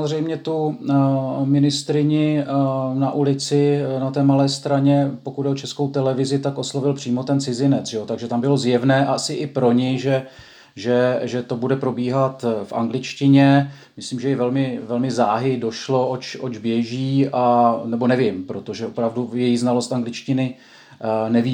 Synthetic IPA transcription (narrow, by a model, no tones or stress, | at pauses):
samozrɛjmɲɛt̪u | mɪnɪst̪ɾɪɲɪ | naʔulɪt͡sɪnat̪ɛːmalɛːst̪ɾaɲɛpo̞kud̪ɛʔot͡ʃɛsko̞wt̪ɛlɛvɪzɪt̪akʔo̞slo̞vɪlpr̥iːmo̞t̪ɛnt͡sɪzɪnɛt͡sʒ̥ɛot̪aɡʒɛt̪ambɪlo̞zjɛvnɛːʔaasɪʔɪpɾo̞ɲɛjʒɛ | ʒɛʒɛt̪o̞budɛpɾo̞biːɦat̪fʔa̰ŋɡlɪt͡ʃcɪɲɛ | mɪsliːmʒɛjɛvɛlmɪvɛlmɪzaːɦɪdo̞ʃlo̞ʔot͡ʃʔod͡ʒbjɛʒiːʔanɛbo̞nɛvɪmpɾot̪o̞ʒɛopɾavdujɛjiznalo̞st̪aŋɡlɪt͡ʃcɪnɪ | nɛvi